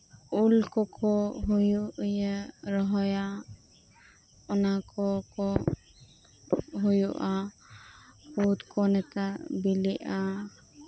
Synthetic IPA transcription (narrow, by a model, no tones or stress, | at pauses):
ulkɔkʰɔɦujuʔjəɾɔɦɔja | ɔnakɔkɔ | ɦujuʔa | hut̪kɔnɛt̪abilɛʔa